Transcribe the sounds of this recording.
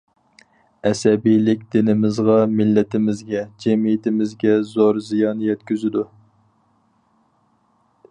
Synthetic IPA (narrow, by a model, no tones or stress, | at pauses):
ɛsɛbijlɪkʲd̪̥ɪnɪmɪzʁɑmɪlːɪt̪ʰɪmɪzɡʲɛd͡ʒɛmijɪt̪ʰɪmɪzɡʲɛzoɾzijɑnjɛt̪̚kʲyzyd̪u